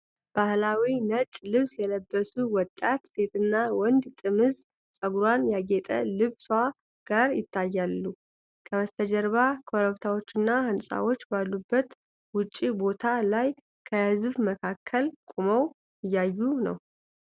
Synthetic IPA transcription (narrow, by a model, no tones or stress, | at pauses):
b̥ahlawinət͡ʃʼlɨβsjɛləbːəsuwɔt̪ʼːat̪se̞t̪ʰɨnːawɔnd̪t̪ʼɨmɨz | sʼəɡuɾwanjaɡet̪ʼə̰lɨβsa | ɡ̥aɾjɪt̪ʰːajːalːu | kʰəwəst̪ʰəd͡ʒəɾβakʰo̞ɾəβt̪ʰawo̞t͡ʃːɨnːahɨnsʼa̰wo̞t͡ʃːbalːubːət̪ | wʊt͡ʃʼːibo̞t̪ʰalaj | kʰəhɨzβməkʰakʰːəlkʷʼuməw | ɨjːajːunə̰w